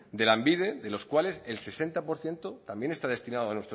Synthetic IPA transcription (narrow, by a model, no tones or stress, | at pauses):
d̪e̞lambiðeðe̞lo̞skwale̞selse̞se̞nt̪apo̞ɾθje̞nt̪ot̪ambje̞ne̞st̪aðe̞st̪inaðoanwe̞st̪ɾo